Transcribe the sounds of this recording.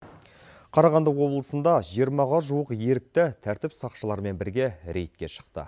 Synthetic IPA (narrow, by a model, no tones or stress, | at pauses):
qʰɑɾɑʁɑnd̪əqwo̞blˠəsənd̪ɑʒijəɾmɑʁɑʒuəqje̞ɾɪk̚t̪ɪt̪ʰæɾt̪ɪpsɑqʃəlˠɑɾme̞nbɪɾɡʲe̞ɾʔe̞̰jt̪̚kʲe̞ʃə̥q̚t̪ə̰